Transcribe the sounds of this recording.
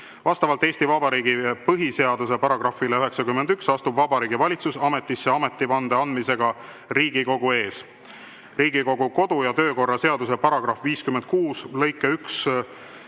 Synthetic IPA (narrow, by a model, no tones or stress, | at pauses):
vɑst̪ɑvɑlt̪ˑe̞ːsʲt̪ivɑbɑɾiːɡipɤɦise̞ɑd̪̥use̞pɑɾɑɡ̥rɑfileyɦe̞ksɑkymːend̪yksɑst̪ubvɑbɑɾiːɡivɑlʲit̪susɑme̞t̪ːˑisːeɑme̞t̪ːˑivɑnd̪̥eɑnd̪mise̞ɡ̥ɑ | ɾiːɡ̥iko̞ɡ̥ue̞ːs | riːɡiko̞ɡuko̞d̪̥ujɑt̪ø̞ːko̞rːɑse̞ɑd̪use̞pɑɾɑɡ̥ɾɑfviːskymend̪̥̚kuːslɤjkːˑeyks